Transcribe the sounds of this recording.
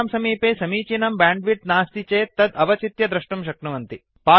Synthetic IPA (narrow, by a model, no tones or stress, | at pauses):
msɐmiːpeːsɐmiːt͡ʃinɐmbaːɳɖʋiʈnaːst̪it͡ʃeːt̪ɐd̪ɐʋɐt͡ʃit̪jɐd̪ɾɐʂʈumʃ̬ɐknɐʋɐnt̪i | paː